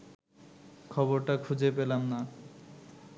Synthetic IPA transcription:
kʰɔboɾʈakʰud͡ʑepelamna

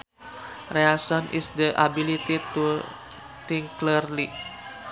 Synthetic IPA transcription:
reasɔnʔḭsd̪əʔabilit̪it̪u | t̪iŋklirli

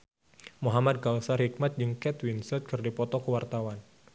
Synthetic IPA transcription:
muɦamad̪̚ɡawsarhik̚mat̪̚d͡ʒɨŋkɛt̪winsət̪̚kərdipɔt̪ɔkəwart̪awan

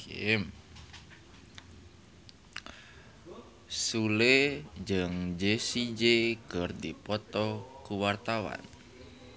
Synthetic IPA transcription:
em | suled͡ʒɨŋd͡ʒesid͡ʒekərdipɔt̪ɔkuwart̪awa̰n

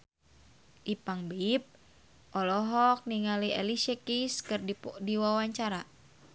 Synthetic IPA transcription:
ʔipaŋbip̚ | ʔɔlɔɦɔk̚niŋaliʔɛliʃɛkiskɨrdipɔdiwawaɲt͡ʃaɾa

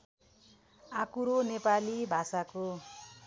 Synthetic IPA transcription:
akuɾonepalibʱasako

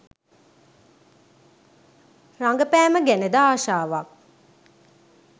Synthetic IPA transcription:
raŋɡəpæːməɡæned̪aːʃaːʋak̚

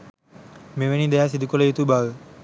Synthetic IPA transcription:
meʋenid̪ajasid̪ukoləjut̪ubal

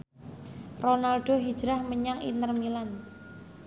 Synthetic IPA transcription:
ronalɖ̥oɦid̥d͡ʒɾahməɲaŋḭnt̪ərmilan

